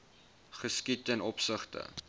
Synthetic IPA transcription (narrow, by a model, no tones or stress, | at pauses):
χəskitɛnɔpsəχtə̰